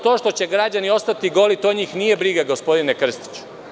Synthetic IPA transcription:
t̪o̞ːʃt̪o̞t͡ɕe̞ɡɾad͡ʑanio̞st̪at̪iɡo̞lit̪oɲiːxnije̞bɾiɡaɡo̞spo̞d̪inekr̩st̪i̥t͡ɕu̥

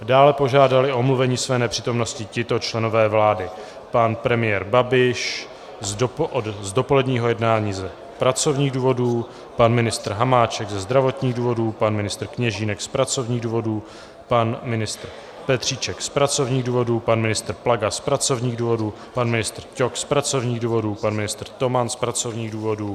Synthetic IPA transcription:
daːlɛpo̞ʒaːdalɪʔo̞mluvɛɲiːsvɛːnɛpr̥iːt̪o̞mno̞scɪcɪt̪ot͡ʃlɛno̞vɛːvlaːdɪ | panpɾɛmɪjɛɾbabɪʃ | zʔodzdo̞po̞lɛdɲiːɦojɛdnaːɲiːzɛ | pɾat͡so̞vɲiːɣduːvo̞duː | panmɪnɪst̪r̩ɦamaːt͡ʃɛɡzɛzd̪ɾavo̞t̪ɲiːɣduːvo̞duːpanmɪnɪst̪r̩kɲɛʒiːnɛkspɾat͡so̞vɲiːɣduːvo̞duː | panmɪnɪst̪r̩ | pɛt̪r̝̥iːt͡ʃɛkspɾat͡so̞vɲiːɣduːvo̞dupanmɪnɪst̪r̩plaɡaspɾat͡so̞vɲiːɣduːvo̞duː | panmɪnɪst̪r̩cokspɾat͡so̞vɲiːɣduːvo̞duːpanmɪnɪst̪rt̪o̞manspɾat͡so̞vɲiːɣduːvo̞duː

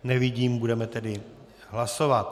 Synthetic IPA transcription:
nɛvɪɟiːmbudɛmɛt̪ɛdɪ | ɦlaso̞vat̪

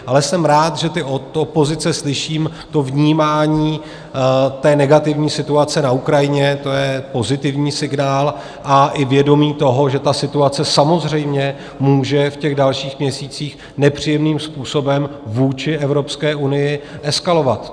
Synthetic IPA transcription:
ʔalɛsɛmɾaːt̪ʒɛt̪ɪoopo̞zɪt͡sɛslɪʃiːm | t̪o̞vɲiːmaːɲiː | t̪ɛːnɛɡat̪ɪvɲiːsɪt̪uat͡sɛnaukɾajɪɲɛt̪o̞jɛpo̞zɪt̪ɪvɲiːsɪɡnaːl | ʔaʔɪvjɛdo̞miːt̪o̞ɦo̞ʒɛt̪asɪt̪uat͡sɛsamo̞zr̝ɛjmɲɛ | muːʒɛfcɛɣdalʃiːxmɲɛsiːt͡siːx | nɛpr̝̥ijɛmniːmspuːso̞bɛmvuːt͡ʃɪʔɛvɾo̞pskɛːʔunɪjɪʔɛskalo̞vat̪

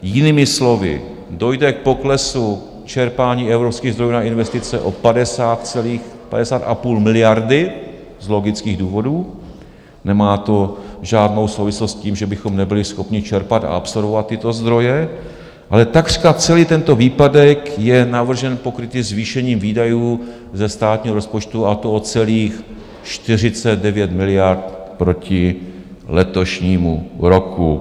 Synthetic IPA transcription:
jɪniːmɪslo̞vɪ̰ | do̞jdɛk̚po̞klɛsu | t͡ʃɛɾpaːɲiːɛvɾopskiːɣzdɾo̞juːnaʔɪnvɛst̪ɪt͡sɛʔo̞̰padɛsaːt̪t͡sɛliːx | pa̰dɛsaːt̪ʔapuːlmɪlɪjaɾdɪ | zlo̞ɡɪt͡skiːɣduːvo̞duː | nɛmaːt̪o̞ʒaːdnowsowvɪslost̪ciːmʒɛbɪxo̞mnɛbɪlɪsxo̞pɲɪt͡ʃɛɾpat̪a̰ʔapso̞lvovat̪ːɪt̪o̞zd̪ɾo̞jɛ | ʔalɛt̪aɡri̥kat͡sɛliːt̪ɛnt̪o̞viːpadɛkjɛnavr̩ʒɛnpo̞kɾɪt̪ɪzviːʃɛɲiːmviːdajuː | zɛst̪aːt̪ɲiːɦoɾo̞spo̞t͡ʃt̪uat̪oot͡sɛliːx | ʃt̪ɪr̝ɪt͡sɛd̪̚dɛvjɛt̪mɪlɪjaɾt̪pɾo̞cɪ | lɛt̪o̞ʃɲiːmuɾo̞ku

